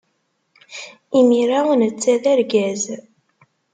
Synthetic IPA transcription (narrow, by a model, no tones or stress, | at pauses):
imiɾawnət͡sːæðæɾɡæz